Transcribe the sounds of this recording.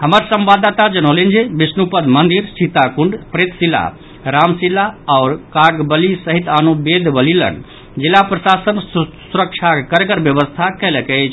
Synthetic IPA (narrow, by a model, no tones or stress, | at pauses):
həməɾsəmbad̪ːat̪ad͡ʒəñolind͡ʒebisnupəd̪mənd̪iɾsit̪akuɳɖpɾet̪silːa̰ | ɾamsilːaɔʊɾkaɡbəlisəɦit̪anubed̪ʱbəlilə̰ɳɖ | d͡ʒilːapɾəsasənsuɾəkt͡ʃʰakəɾɡəɾbjəbəst̪ʰakɛlekɛt͡ʃʰ